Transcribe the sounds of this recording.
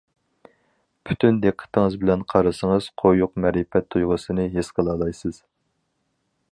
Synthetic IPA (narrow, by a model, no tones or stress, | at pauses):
pʰy̥t̪ʰynd̪eqʰːə̥t̪ʰɪŋɨzbɪlɛnqʰɑɾɨsəŋɨz̥qʰojuqmɛɾɪpɛt̪ʰːujʁəsɨnɨɦesqʰəlˠɑːlˠɑjsɨz̥